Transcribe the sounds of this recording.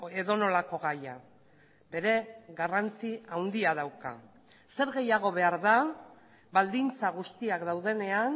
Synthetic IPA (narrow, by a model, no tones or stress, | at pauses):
e̞ðo̞no̞lako̞ɣaja | be̞ɾe̞ɣarant͡siawnd̪iað̞awka̰ | se̞ɾɣe̞jaɣ̞o̞βe̞aɾða | βald̪int͡saɣust̪iakd̪awð̞e̞ne̞an